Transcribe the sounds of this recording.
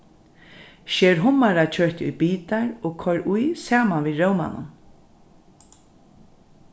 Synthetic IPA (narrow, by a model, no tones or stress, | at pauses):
ʃɛːɾɦʊmaɾat͡ʃʰœɹt̪ʊ̰jbiːt̪aɹoːɡkʰɔɹʔʊjsaːmanviːɹowma̰nʊ̰n